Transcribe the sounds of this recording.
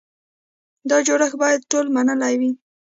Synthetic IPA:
d̪ɑd͡ʒoɽəxbɑjad̪̚ʈolmanəlajwi

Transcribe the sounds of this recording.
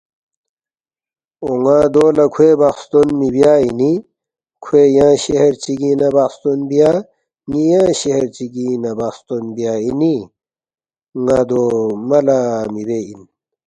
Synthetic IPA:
oŋãːd̪oːlɐkʰuebaqst̪onmibjaːini | kʰuejãːɕeɦeɾt͡ɕiɡĩnɐbast̪onbija | ŋijãːɕeɦeɾt͡ɕiɡĩnɐbast̪onbijaːini | ŋãːd̪omɐlamibeḭn

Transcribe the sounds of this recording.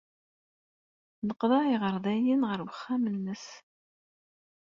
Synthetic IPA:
nəqːðˤɑiʁəɾˤðˤæjinʁəɾwəχːæmənːəs

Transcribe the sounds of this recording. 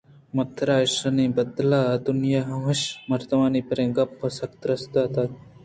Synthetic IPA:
mɐt̪ʰːɾaːʂɐniːbɐd̪laːɐd̪unjaɦɐmɐʃmɐɾt̪ɐmaːnipɐɾẽːɡɐpːɐsɐkt̪ɾɐsd̪at̪at̪

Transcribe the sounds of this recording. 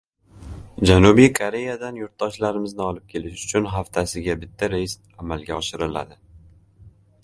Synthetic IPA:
d͡ʒanubijkʰoɾe̞jad̪anjʊɾt̪̚d̪ɒʃlaɾɪmɪznɪɒlɪp̚kʲʰe̞lɪʃʊ̥t͡ʃʰʊnɦaft̪ʰasɪɡʲabɪt̪ʰːaɾest̪amalɡʲaɒʃɪɾɪla̰d̪ɪ

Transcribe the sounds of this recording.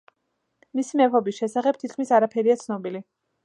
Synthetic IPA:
misimɛpʰɔbisʃɛsaχɛb̥̚t̪ʰit̪̚kʰmisaɾapʰɛɾiat̪sʰnɔbili

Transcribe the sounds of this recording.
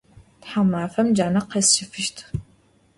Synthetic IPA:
tħamaːfɐmd͡ʒaːnɐqɐsɪfɨʃtʰ

